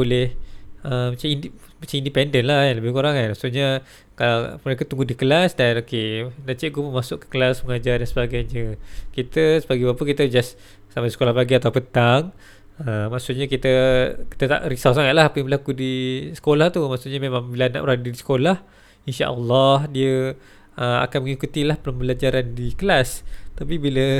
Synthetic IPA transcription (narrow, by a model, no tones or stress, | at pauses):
bolɪhəmat͡ʃaminmat͡ʃamindipɛndənlahjanləbɪhkuɾaŋanmaʔsuʔɲə | kalaməɾekət̪uŋɡudikəlasdanokenaʔt͡ʃɛʔɡupəmasʊʔkə̥kəlasməŋad͡ʒardansəbaɡajɲəkit̪əsəbaɡijbapəkit̪əd͡ʒas | samaisə̥kolahbaɡiat̪awpət̪aŋ | əmaʔsʊʔɲəkit̪əki̥t̪ət̪a̰ʔɾisawsaŋat̪laɦapəjambəlakudisə̥kolaht̪umaʔsʊʔɲamemãŋbilana̰ʔbəɾadədisə̥kolah | inʃa̰ʔə̰lːɑɦdiə | əa̰kanməŋikut̪ilahpələmbəlad͡ʒaɾandikəlast̪apibilə